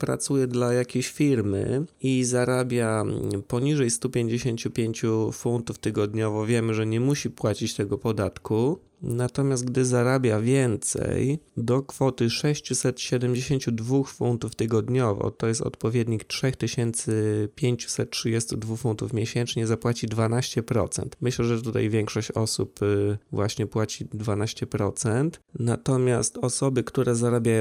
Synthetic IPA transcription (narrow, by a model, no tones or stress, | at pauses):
pɾa̰t̪sujɛd̪lajakʲeɕfʲiɾmɘ̰izaɾabʲjapɔɲiʐɛjst̪upʲjeɲd͡ʑeɕeɲt͡ɕupʲjeɲt͡ɕufunt̪uft̪ɘɡɔd̪ɲɔvɔvʲjɛmɘʐɛɲɛmuɕipwat͡ɕit͡ɕt̪ɛɡɔpɔd̪at̪ku | nat̪ɔmʲjast̪̚ɡd̪ɘzaɾabʲjavʲjɛnt̪sɛ̰jd̪ɔkfɔt̪ɘʂɛɕt͡ɕusɛt̪ɕɛd̪ɛmd͡ʑeɕeɲt͡ɕud̪vuxfunt̪uft̪ɘɡɔd̪ɲɔvɔ̰t̪ɔjɛst̪ɔ̰t̪pɔvʲjɛd̪ɲiktʂɛxt̪ɘɕɛnt̪sɘpʲjeɲt͡ɕu̥sɛt̪̚tʂɨd͡ʑɛst̪ud̪vuxfunt̪ufmʲjɛɕɛnt͡ʂɲɛzapwat͡ɕid̪vanaɕt͡ɕɛpɾɔ̰t̪sɛ̰nt̪mɘɕlɛʐɛt̪ut̪a̰jvʲjɛŋkʂɔɕt͡ɕɔsṵpvwaɕɲɛpwat͡ɕid̪vanaɕt͡ɕɛpɾɔt̪sɛnt̪nat̪ɔmʲjast̪ɔsɔbɘkt̪uɾɛzaɾabʲjajɔ̃